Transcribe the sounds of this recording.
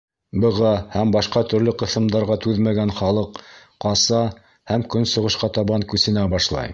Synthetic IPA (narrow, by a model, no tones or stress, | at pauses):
bɤ̆ʁɑhæmbɑʃqɑt̪ɵ̆ɾlɵqɤ̆θɤ̆md̪ɑɾʁɑt̪ʉðmæɡænχɑlˠɤq | qɑsɑ | hæmkɵnsŏʁɤ̆ʃqɑt̪ɑβɑŋkʉsɘ̆næbɑʃlˠɑ̰j